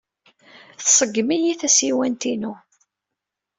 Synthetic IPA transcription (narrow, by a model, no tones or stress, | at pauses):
θsˤəɡːmijiθæsiwænt̪inu